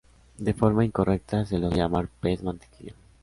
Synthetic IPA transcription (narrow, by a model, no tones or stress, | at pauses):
d̪efoɾmaiŋko̞rʔek̚t̪aseloʝamaɾpezmãnt̪i̥kḭo